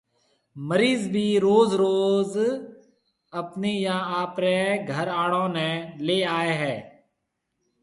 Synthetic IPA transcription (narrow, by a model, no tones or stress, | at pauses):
məɾiːzbʱiːɾoːzɾoːz | əpneːjãːaːpɾẽːɡʱəɾaːɽõːnɛ̃ːleːaːeːɦɛː